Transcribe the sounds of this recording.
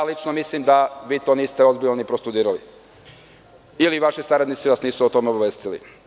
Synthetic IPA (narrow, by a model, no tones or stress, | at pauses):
alit͡ʃnomislimd̪aʋiːt̪o̞niːst̪eo̞zbilʎnonipɾost̪ud̪iːɾalḭ | iliʋaʃisaɾad̪nit̪siʋasniːsuot̪o̞meobaʋeːst̪ilḭ